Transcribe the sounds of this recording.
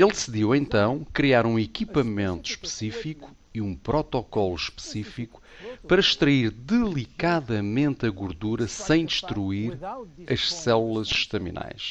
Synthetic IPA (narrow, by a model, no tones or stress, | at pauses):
elˠd̪ɨsiðiwẽnt̪ɐ̃w̃kɾiaɾũikipɐmẽnt̪u̥ʃpɨ̥sifiku̥ | iũpɾɔt̪ɔkɔlˠuʃpɨ̥sifiku̥ | pɐɾɐʃt̪ɾɐiɾd̪ɨlˠikaðɐmẽnt̪ɐɣuɾðuɾɐsɐ̃j̃d̪ɨʃt̪ɾuiɾɐʃsɛlˠulˠɐzʃt̪ɐmḭna̰jʃ